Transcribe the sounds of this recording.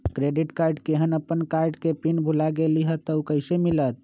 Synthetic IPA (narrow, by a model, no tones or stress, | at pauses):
kɾeɖiʈkaɾɖkeɦənəpːənkaɾɖkepinbʱulaɡeliɦət̪əukəɪsemilət̪̚